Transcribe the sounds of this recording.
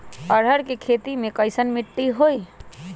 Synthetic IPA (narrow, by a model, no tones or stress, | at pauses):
əɽ̤ʱəɾkekʰet̪imekəjsənmiʈːiɦoj